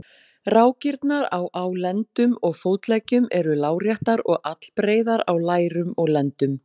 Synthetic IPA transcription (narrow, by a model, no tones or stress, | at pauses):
raːwcɪɾt̪naɾawʔawlɛnt̪ʏmɔɣfoːwt̪lɛːcʏmɛɾʏlaːwrjaht̪aɾɔɣʔat̪l̥pɾeːjðaɾawlaːjɾʏmɔɣlɛnt̪ʏm